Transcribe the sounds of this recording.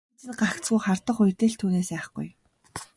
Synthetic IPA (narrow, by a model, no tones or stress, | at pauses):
t͡sɘ̆nɢakt͡sɡujχart̪ə̆χʊjt̪eːɮt̪ʰuːneːsæːχ̆ɡ̥ṵj